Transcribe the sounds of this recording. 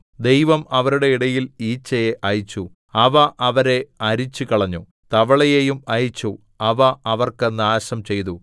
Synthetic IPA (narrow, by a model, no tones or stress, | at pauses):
d̪e̞jʋɐmɐʋɐɾuɽe̞iɽɐjiliːt͡ɕːɐjeʔɐjit͡ɕːu | ɐʋɐʔɐʋɐɾe̞ɐɾit͡ɕːukɐɭɐɲːu | t̪ɐʋɐɭɐjejumɐjit͡ɕːu | ɐʋɐɐʋɐrkenːaːɕɐmt͡ɕe̞jt̪̬u